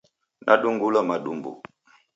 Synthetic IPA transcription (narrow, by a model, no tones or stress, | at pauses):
nʔa̰ɗuŋɡulamaɗumbṵ